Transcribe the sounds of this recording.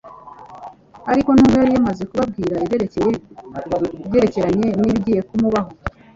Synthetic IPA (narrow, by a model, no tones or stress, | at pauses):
aɾiko̞nuːɡwojaɾijamaze̞kuβab̚ɡiːɾaieɾeceje | je̞ɾe̞ce̞ɾaɲe̞niːβɟiːje̞kumuβaɦo̞